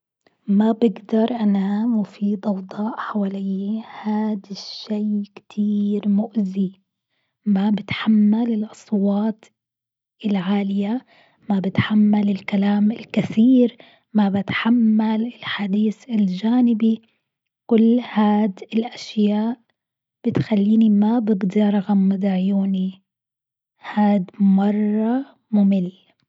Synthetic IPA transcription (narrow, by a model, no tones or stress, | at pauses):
mabɪɡd̪ɑɾˤʔanamʊfiːd̪ʔɑwd̪ˤɑːʔħawaːlijːhaːd̪ɪʃːeːkt̪ʰiːɾmʊʔzi | mabɪt̪ħamːalɪlʔɑsˤwɑːt̪ | ɪlʕaːlɪja | mabɪt̪ħamːalɪlkalaːmɪlkaθiːɾ | mabɪt̪ħamːalɪlħad̪iːθɪld͡ʒaːnɪbi | kʊlːhaːd̪ɪlʔaʃjaːʔ | b̥ɪt̪xalːiːnimabɪbd̪iɾˤɑɣamːad̪aʕjuːni | haːd̪mɑrˤːɑ | mʊmɪl